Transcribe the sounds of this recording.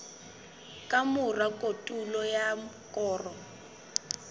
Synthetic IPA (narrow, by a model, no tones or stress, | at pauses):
kʼamʊrakʼotʼulɔjakʼɔːrɔ